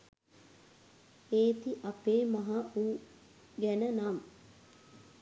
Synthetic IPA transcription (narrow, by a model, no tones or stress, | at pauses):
eːt̪iʔapeːmaɦauː | ɡænənam